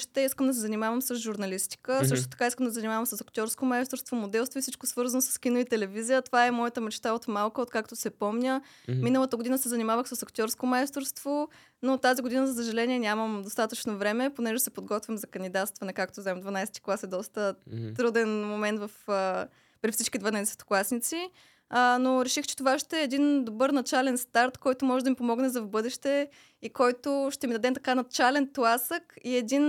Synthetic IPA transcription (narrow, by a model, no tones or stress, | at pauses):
ʃt̪ɛiskəmd̪ɐsɛzɐnimavəmsəzʒuɾnɐlist̪i̥kəsɤʃt̪ot̪ɐ̥kaiskəmd̪szɐnimavəmsəsɐkt̪ʲjɔɾskomajst̪oɾst̪vomod̪ɛlˠst̪voifsit͡ʃkosvɤɾzənosə̥skʲinoit̪ɛlɛvizijət̪ovaɛmɔjət̪əmɛt͡ʃt̪aot̪malˠkəot̪̚kakt̪osɛpɔmnʲə | minəlˠət̪əɡod̪inəsɛzɐnimavəxsəsɐkt̪ʲɔɾskomajst̪oɾst̪vo | not̪aziɡod̪inəzəs̬əʒɐlɛniɛnʲaməmd̪ost̪at̪ət͡ʃnovɾɛmɛponɛʒɛsɛpod̪ɡɔt̪vʲimzɐkənd̪ʲid̪at̪st̪vɐnɛkakt̪ozaɛmd̪vɐnajsɛ̥t̪i̥klˠasɛd̪ɔst̪ət̪ɾud̪ɛnmomɛnt̪vɐfə | pɾifsit͡ʃkʲid̪vɐnɛd̪ɛsɛ̥t̪o̥klˠasnit̪si | noɾɛʃixt͡ʃɛ̥t̪ovaʃt̪ɛːd̪ind̪obɤɾnɐt͡ʃalɛnst̪aɾt̪kɔjt̪omɔʒɛd̪ɐmipomɔɡnɛzɐvbɤd̪ɛʃt̪ɛ | ikɔjt̪oʃt̪ɛmid̪ɐd̪ɛmt̪ɐkanɐt͡ʃalɛnt̪lˠasəkiɛd̪in